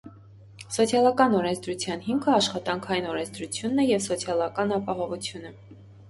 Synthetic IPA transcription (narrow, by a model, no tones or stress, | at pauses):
sɔt͡sʰjɑlɑkɑnɔɾɛnt͡sd̪ɾut͡sʰjɑnɦimkʰəɑʃχɑt̪ɑŋkʰɑjinɔɾɛnt͡sʰd̪ɾut͡sʰjunːɛjɛvsɔt͡sʰjɑlɑkɑnɑpɑɦɔvut͡sʰjunə